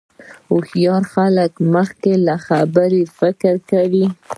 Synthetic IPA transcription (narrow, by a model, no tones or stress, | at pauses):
ʊxjɑɾxaləkməxkelaxabəɾefɪkɾkawi